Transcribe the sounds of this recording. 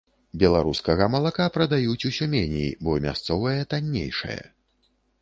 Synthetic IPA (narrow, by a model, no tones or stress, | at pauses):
bʲɛlˠaɾuskɐɣɐmɐlˠakapɾɐd̪ajut͡sʲusʲumʲenʲijḭbɔmʲa̰st̪sɔvɐjɛt̪anʲːḛjʂɨ̰jɐ̰